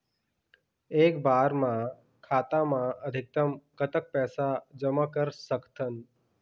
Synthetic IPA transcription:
eːkbaːɾmã | kʰaːt̪amãəd̪ʱɪk̚t̪əmkət̪ək̚pɛːsad͡ʒəmakəɾsəkt̪ʰən

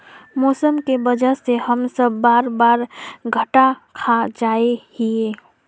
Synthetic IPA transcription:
mɔːsəmkebəd͡ʒəɾsehəmsəbːaːɾbaːɾɡʱəʈakʰad͡ʒaehie

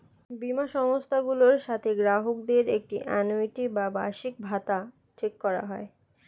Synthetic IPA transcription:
bimaʃɔŋost̪ʰaɡuloɾʃat̪ʰeɡɾaɦok̚d̪eɾek̚ʈiʔɛnojʈibaba̰ʃik̚bʱat̪a | t͡ʃekːɔɾa̰ɦɔe

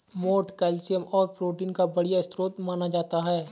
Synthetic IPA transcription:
moːʈkɛːlsijəmɔːɾpɾoːʈiːnkabɐɽijaɪst̪ɾoːt̪maːnad͡ʒaːt̪aɦɛː

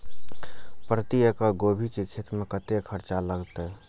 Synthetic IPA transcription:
pɾət̪iəkaɡobʱikekʰeːt̪mẽkət̪ekʰəɾt͡ʃaləɡt̪e

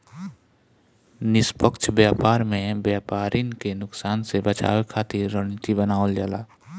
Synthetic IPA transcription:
nɪspəkt͡ʃʰbjaːpaːɾmẽbjaːpaːɾʔɪnkenʊksaːnsebət͡ʃʰa̰ːwkʰaːt̪ɪɾːə̃ɪt̪ibənaːold͡ʒala̰ː

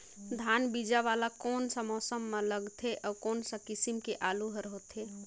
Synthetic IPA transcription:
d̪ʱanbid͡ʒaʋalakonsə̃mɔːsəmːeləɡt̪ʰeʔɔkonsə̃kisimkeʔaluɦəɾɦot̪ʰe

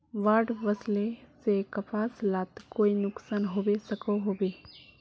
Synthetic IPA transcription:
ʋaːɾɖʋəslesekəpaːslaːt̪koːinʊksaːnɦoːbesəkoɦoːbeː

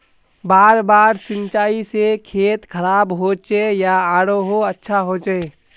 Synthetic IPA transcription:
baːɾbaːɾsɪ̃nt͡ʃaːisekʰeːt̪kʰəɾaːbɦot͡ʃejaaːɽoɦoətːʃʰaɦoːt͡ʃe

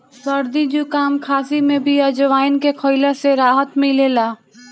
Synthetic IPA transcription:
səɾd̪id͡ʒukaːmkʰaːsimẽbʱiɐd͡ʒəʋaːɪnkekʰoːɪlaseɾaːɦət̪mĩleːlaː

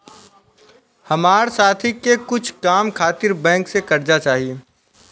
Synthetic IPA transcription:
hɐmaːɾsaːt̪ʰikekʊt͡ʃʰkaːmkʰaːt̪ɪɾbɛ̃ːŋksekɐɾd͡ʒat͡ʃaːɦijeː

